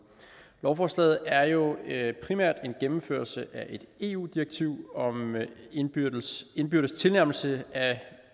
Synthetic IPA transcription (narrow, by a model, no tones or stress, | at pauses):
lɒʊfɒslɛ̰ð̩ˠæɐjo̝pʰʁimæ̰ɐ̰d̥e̝nɡ̥emm̩fø̰ɐlsəʔæʔe̝d̥e̝̰ːṵːd̥iʁɐɡ̥̚t͡sʰiʊ̰ɒ̽m | e̝nb̥yɐɾ̥st͡sʰe̝lnæɐʊml̩səæ